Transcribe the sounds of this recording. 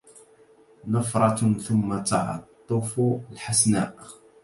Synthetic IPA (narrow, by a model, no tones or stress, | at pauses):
nɑfɾˤɑθʊmːat̪ɑʕɑ̰t̪ˤːʊfulħasna̰ːʔ